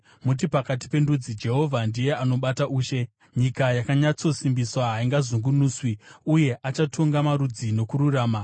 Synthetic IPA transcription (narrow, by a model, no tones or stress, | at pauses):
mut̬ipakat̬i̥pe̞ndud͡zid͡ʒe̞ɦo̞vʱandije̞ʔano̞ɓataʔuːʃe̞ | ɲikajakaɲat͡so̞simbiswaɦaiŋɡazuŋɡunuːswiuje̞ʔat͡ʃatʰo̞ŋɡamaɾud͡zino̞kuɾuraːma